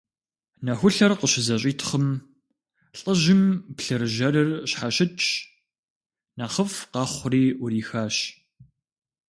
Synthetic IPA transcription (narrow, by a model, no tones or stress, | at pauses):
nɐxʷʊɬɐrqəɕɪzɐɕʼiːtʰχəm | ɬʼəʒɪmpɬɨɾɨʒɐɾɨrɕħaɕɪtt͡ʃʼ | naːχəfqɑχʷʊriːʔʊɾiːxaːɕ